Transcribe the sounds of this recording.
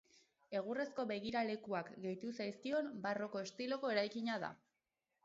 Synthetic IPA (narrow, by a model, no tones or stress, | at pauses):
e̞ɣ̞ure̞sko̞βe̞ɣ̞iɾale̞kuakɡe̞jt̪usajskio̞mbaro̞ko̞est̪ilo̞ko̞e̞ɾajkiɲaða̰